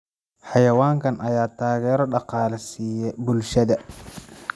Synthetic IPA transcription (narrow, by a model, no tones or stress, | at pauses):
ħɑjɐwaːŋkɐnʔɐjaːt̪ʰaːɣɛːɾɔɗɑqɑːlɐsiːjɛbʊlʃɐðɐ